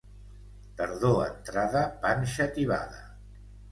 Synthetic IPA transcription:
t̪əɾðoə̰nt̪ɾaðəpanʲʃət̪iβa̰ðə̰

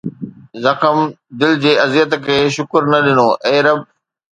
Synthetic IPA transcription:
zɐxəm | d̪ɪld͡ʑeːɐzjət̪kʰeːʃʊkəɾnɐɗɪnoːʔeːɾəb̚

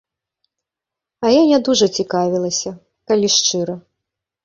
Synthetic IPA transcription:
ɐjanʲad̪uʐɐt͡sʲikavʲilˠɐsʲɐ | kalʲiʂt͡ʂɨɾɐ

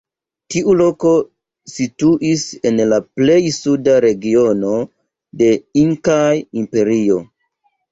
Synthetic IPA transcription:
tiʔulo̞ko̞ | situʔise̞nlaple̞jsudaɾe̞ɡio̞no̞ | de̞iŋkajimpe̞ɾio̞

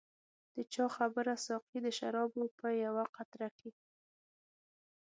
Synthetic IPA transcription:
d̪̥ət͡ʃɑxabəɾasɑqid̪əʃaɾɑbopəjawaqat̪ɾaki

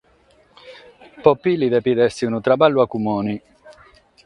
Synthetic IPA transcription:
pɔpːiliðɛpiðɛst̪iunut̪ɾabalːuakumɔːni

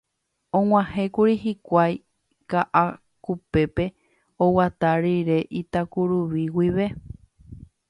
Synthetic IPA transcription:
õŋ̃ʷãhẽ̞kuɾihikʷaj | kaʔa | kupe̞pe̞ | owat̪aɾiɾe̞ʔit̪akuɾuʋiwiʋe̞

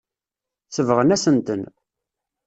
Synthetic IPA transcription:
θəvʁənæsənt̪ən

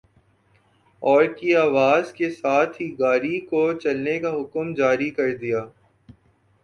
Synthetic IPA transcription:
ɔːɾkiaːʋaːzkesaːt̪ʰɦiɡaːɾikot͡ʃɐlnekaɦʊkmd͡ʒaːɾikɐɾd̪ijaː

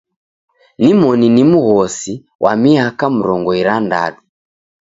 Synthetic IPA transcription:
nimɔninimuɣɔsi | wʔa̰miakam̩ɾɔŋɡɔiɾanda̰li

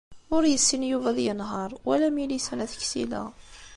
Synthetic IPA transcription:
ʊɾjəsːinjuvæðjənɦəɾˤwælæmilisænæθə̥çsḭlæ̰

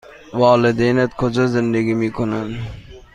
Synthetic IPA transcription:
wɑːlɪd̪enat̪kʰod͡ʒɔzɪnd̪aɡimiːkʰonand̪

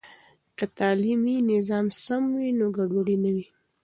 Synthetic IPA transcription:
kat̪ɑliminɪzɑmsamwinoɡaɖoɽinawi

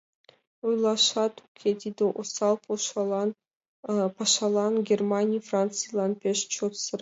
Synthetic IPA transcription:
ujlˠɑʃɑt̪ʰukʲʰed̪ʲid̪eʔosɑlˠpʰoʃɑn | pʰɑʃɑlˠɑnɡʲermanʲijfrant̪sɨjlˠɑnpʲeʃt͡ʃʰot̪səɾ

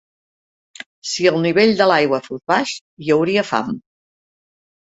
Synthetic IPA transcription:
siəlˠniβ̞eʎd̪əlajɣwəfozβaʃ | jəwɾiəfa̰m

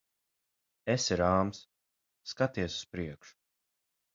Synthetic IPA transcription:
esiɾaːmsː | kat̪iɛsu̥spɾiɛkʃu̥

